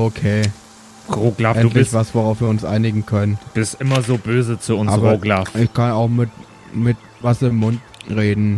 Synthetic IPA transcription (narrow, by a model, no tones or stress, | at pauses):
okʰeː | ʁoːɡlaːʔɛnːtlçv̥asvoʁaʊfv̥iːɐʊnsʔa̰ɪnɪɡŋ̩kʰœnənd̥uːb̥ɪstʔɪmɐzoːbøːzət͡suʊnʔasːʁbɐoːɡlaːfʔɪçkʰanaʊxmɪt | mɪt | vasɐɪmːʊnt | ʁeːdn̩